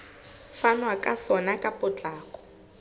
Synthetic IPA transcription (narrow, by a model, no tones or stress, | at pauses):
fanwakʼasɔnakʼapʼʊt͡ɬʼaːkɔ̥